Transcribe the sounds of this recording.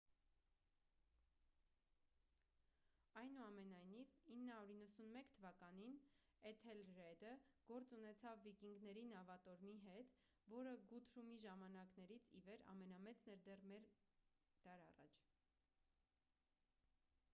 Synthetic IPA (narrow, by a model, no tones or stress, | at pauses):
ɑjnuɑmɛnɑjnivinːəhɑuɾinːəsunmɛkt̪ʰəvɑkɑnin | ɛt̪ʰɛlɾɛd̪əɡ̥ɔɾt͡sunɛt͡sʰɑvːikiŋɡnɛɾinɑvɑt̪ɔɾmiɦɛt̪ | vɔɾəɡut̪ʰɾumiʒɑmɑnɑknɛɾit͡sʰḭvɛɾɑ̰mɛnɑmɛt͡snɛɾd̪ɛrmɛɾ | d̪̥ɑɾɑ̰rɑ̰t͡ʃʰ